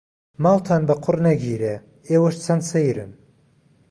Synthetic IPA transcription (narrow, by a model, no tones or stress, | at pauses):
maːlt̪ʰaːnbɐqʰʊrnɐɡiːɾe | eːwɐʃt͡sʰɐnsejɾɨ̰n